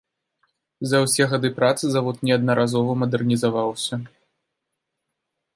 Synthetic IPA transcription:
zɐwsʲɛɣad̪ɨpɾat̪sɨzavɔt̪nʲɛɐd̪̚nɐɾazɔvɐmɐd̪ɛrnʲizavawsʲɐ

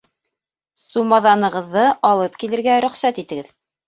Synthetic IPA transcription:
sumɑðɑnɤ̆ʁɤ̆ðːɤʔɑlˠɤp̚kilɘ̆ɾɡæɾɵ̆χsæt̪it̪ɘ̆ɡɘð

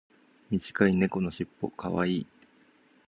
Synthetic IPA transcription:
mʲiʑi̥kaine̞ko̞no̞ɕipːo̞̰kʰa̰βa̰iː

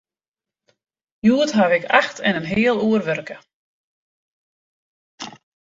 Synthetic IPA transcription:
juətɦaʋɪkʰaxtʰɛnənɦɪːəlˠuərʋørkə

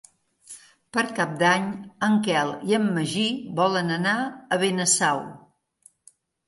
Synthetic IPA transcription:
pəɾkap̚d̪aɲəŋkɛlˠiəmːəʒiβɔlənənaəβenəsaw

